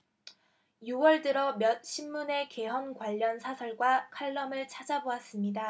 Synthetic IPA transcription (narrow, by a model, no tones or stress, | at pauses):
juwʌɭdɯɾʌmjʌt̚ɕʰimːune̞ke̞ɦʌnkwaʎːʌnsʰasʰʌɭɡwakʰaɭːʌmɯɭt͡ɕʰad͡ʑaboas͈ɯmɲida